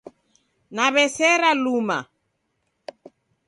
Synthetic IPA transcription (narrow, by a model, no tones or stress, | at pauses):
naβɛsɛɾaluma̰